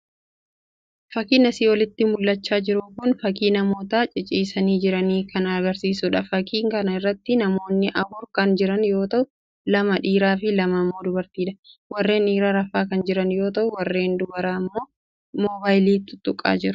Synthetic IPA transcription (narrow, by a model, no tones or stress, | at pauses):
fɐkiːnɐsiːwɔlɪt̪ːɪmʊlːɐt͡ʃːaːd͡ʒɪɾʊkʊnfɐkiːnɐmoːt̪aːt͡ʃʼɪt͡ʃʼiːsɐniːd͡ʒɪɾɐniːkʰɐnɐɐɡɐɾsiːsʊᶑɐfɐkʰiːŋkɐnɐɪrːɐt̪ːɪnɐmo̞ːnːɪʔɐbʊɾkɐnd͡ʒɪɾɐnjo̞ːt̪ɐʔʊ | lɐmɐᶑiːɾaːfɪlɐmɐmːo̞ːd̪ʊbɐɾt̪iːᶑɐwɐrːe̞ːniːɾaɾɐfːaːkɐnd͡ʒɪɾɐnjo̞ːt̪ɐʔʊwɐrːe̞ːnd̪ʊbɐɾaːmːo̞ː | moːbaːjliːt̪ːʊ̥t̪ːʊkʼːa̰ːd͡ʒɪɾʊ̥